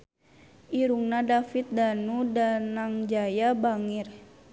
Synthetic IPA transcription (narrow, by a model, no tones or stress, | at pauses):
iɾuŋnadafit̪̚danudanaŋd͡ʒajabaŋir